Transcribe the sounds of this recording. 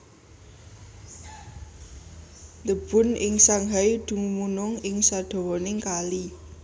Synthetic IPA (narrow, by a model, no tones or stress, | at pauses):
d̪əb̥ʊ̤nɪŋsaŋɦajd̪̥ṳŋumunʊŋɪŋsaɖ̪̥o̤wɔnɪŋkali